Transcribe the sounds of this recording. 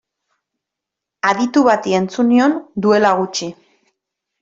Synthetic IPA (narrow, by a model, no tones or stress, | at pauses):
aðit̪uβat̪ie̞nt͡sunio̞nd̪ue̞laɣ̞ut͡ʃi